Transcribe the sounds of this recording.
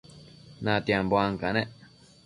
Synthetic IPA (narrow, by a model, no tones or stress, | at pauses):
nãt̪iãmboaŋkanẽʔ